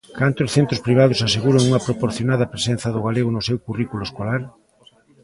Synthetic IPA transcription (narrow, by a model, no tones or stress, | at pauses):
kant̪ʊsθent̪ɾʊspɾiβ̞aðʊsaseɣuɾoŋuŋɐpɾopoɾθjonaðɐpɾesen̟θɐðʊɣ̞aleɣʊnʊsewkurikulʊeskolaɾ